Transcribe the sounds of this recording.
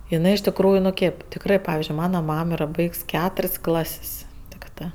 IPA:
ɪˈnɜ ɪʃ tʲɪkˈruːjʊ nʊ ˈkʲeːp tʲɪkˈrɜ ˈpɑːʋʲɪzʲd͡ʒʲʊɪ ˈmɑːnɐ ˈmɐm ˈiːrɐ ˈbɐɪks ˈkʲæːtʊrʲsʲ ˈklˠɐsʲsʲ tʲɪkˈtɜ

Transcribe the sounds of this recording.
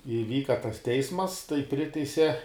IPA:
ɪˈʋʲiːkɐ tɐs ˈtʲɛɪsmɐs tɐɪ ˈpʲrʲɪtʲɛɪsʲɛ

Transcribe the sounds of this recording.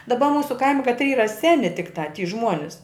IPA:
dɐˈbɐ ˈmuːsʊ ˈkɐɪmʲɪ kɐtʲˈrʲiː ˈiːrɐ ˈsʲæːnʲɪ tʲɪkˈtɑː tʲiː ˈʒmuɔnʲɪs

